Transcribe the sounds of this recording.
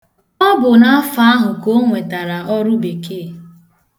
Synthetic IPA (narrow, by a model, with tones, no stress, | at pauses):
ɔ˦bʊ˨na˦fa˦ɦʊ˨ko˦ŋʷe˨ta˨ɾa˨ʔɔ˦ɾʊ˦be˨ke˦˨